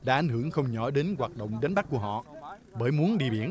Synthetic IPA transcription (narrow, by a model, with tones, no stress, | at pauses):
ɗa̰ː˧˥ʔa˨˩jŋhɨ˧˩əŋxə˧wŋ͡mɲɔ˧˩˦ɗe˨˦nɣwaː˨˩t̚ɗə̰˧˨wŋ͡mɗa˨˦nɓa˦˥ku˧˩əɦɔ̰˧˨ | ɓəː˧˩jmu˨˦ənɗḭ˧˨əɓi˧˩ən